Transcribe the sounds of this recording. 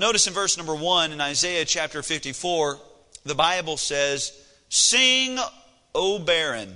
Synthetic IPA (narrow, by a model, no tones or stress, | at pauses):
noʊɾɨsɨ̃nvɜ˞snʌ̃mbə˞wʌ̃nɨ̃naɪzeɪɨt͡ʃʰæp̚tə˞fɪftifɔɹ | ðɨbaɪbl̩ˠsɛz̥ | sɪ̃ŋ | oʊbɛɹɨ̃n